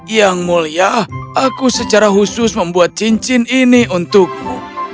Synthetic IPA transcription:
jaŋmuliahʔakusət͡ʃaɾaɦusʊsməmbuat̪̚t͡ʃiɲt͡ʃɪniniunt̪ʊk̚mṵ

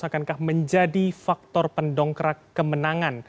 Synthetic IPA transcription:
akankahməɲd͡ʒadifak̚t̪ɔrpəndɔŋkəɾakːəmənaŋan

